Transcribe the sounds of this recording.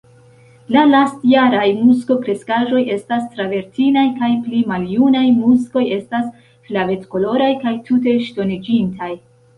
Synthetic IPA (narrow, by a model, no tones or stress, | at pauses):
lalastjaɾajmusko̞kɾe̞skaʒo̞je̞stastɾave̞ɾtinajkajplimaljunajmusko̞je̞stas | flave̞tko̞lo̞ɾajkajtʰute̞ʃto̞nid͡ʒintʰaj